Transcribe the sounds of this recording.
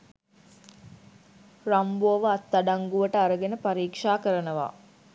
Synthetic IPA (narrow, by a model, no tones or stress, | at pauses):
rambuɐʋəat̪ːaɖaŋɡuʋəʈəaɾəɡenəpaɾiːkʂaːkəɾənəʋa̰